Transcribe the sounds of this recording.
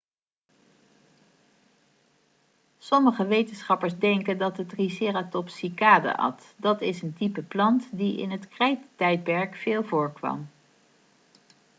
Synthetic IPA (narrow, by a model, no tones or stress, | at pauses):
sɔməχəʋejtənsχɑpəɹzdɛŋkəndɑtətrisɪːratɔpsikaːda̰ʔɑ̰t | dɑtɪsəntipəplɑntdiɪ̰nɦətkrɛjttɛjt̚pɛɹkfɪːlˠvʊːɹkʋɑ̰m